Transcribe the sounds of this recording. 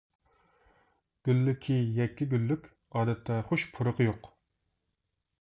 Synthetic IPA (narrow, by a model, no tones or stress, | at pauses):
ɡ̥ʲylːykʲʰːijɛkʲːiɡʲylːykʲ | ɑːd̪ɛt̪ʰːɛχoʃpʰʊɾəqəjoq